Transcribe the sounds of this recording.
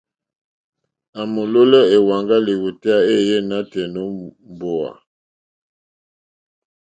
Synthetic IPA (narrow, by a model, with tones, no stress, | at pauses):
a˨mo˨lo˦lɛ˦e˨wa˨ŋɡa˦li˨wu˨te˦a˦e˦je˦˨na˦tɛ˨no˦mbo˨a̰˨